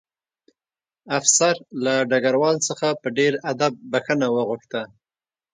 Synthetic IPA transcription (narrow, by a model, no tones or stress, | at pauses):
afsaɾlaɖaɡaɾwɑlsəxapəɖeɾad̪ab̚ːaxənawəɣuxt̪a